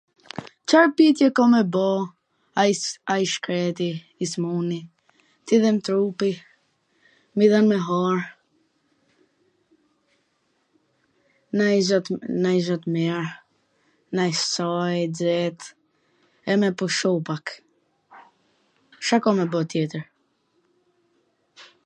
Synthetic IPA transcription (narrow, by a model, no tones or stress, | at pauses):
t͡ʃaɾpit̪jɛkɔmɛbɔ | aaiʃkɾɛt̪i | ismuni | t̪iðɛmt̪ɾupi | miðanmɛɦɔɾ | nazɔt̪najzɔt̪mɛɾ | najsajd͡zɛt̪ | ɛmɛpɔʃɔpak | ʃakɔmɛbɔt̪jɛt̪əɾ